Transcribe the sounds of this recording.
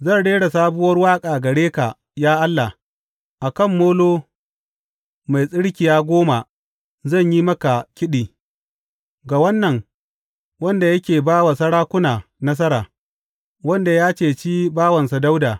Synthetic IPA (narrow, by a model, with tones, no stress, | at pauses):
zɐ˦˨nɽeː˦ɽa˨saː˦bʊ˦wɐ˦rwaː˦kʼaː˨ɡɐ˨ɽeː˦ka˨ | jaː˦ʔa˦lːa˨ | ʔa˨kɐ˦˨mːoː˦loː˦ | ma˨jsʼɪ˦ɽkʲɪ˨jaː˦ɡʷoː˦ma˨ | zɐ˦˨ɲjiː˦mɐ˦ka˨kʲɪ˦ɗiː˨ | ɡa˨wɐ˦nːɐ˨ŋ | wɐ˦nda˨jɐ˦kʲeː˨baː˦wa˨sɐ˦ɽaː˦kʷʊ˦naː˨nɐ˦s̬ɐ˦ɾaː˨ | wɐ˦nda˨jaː˦t͡ʃeː˨t͡ʃiː˦baː˦wɐ˨nsa˨da˦wdaː˨